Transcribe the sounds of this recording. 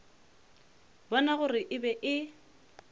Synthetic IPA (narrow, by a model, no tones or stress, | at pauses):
bɔnaɣʊrɪʔɪbɛʔɪ